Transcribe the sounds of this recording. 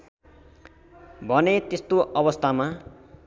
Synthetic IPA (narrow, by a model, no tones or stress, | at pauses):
bʱʌnet̪est̪oʔʌbʌst̪ʰama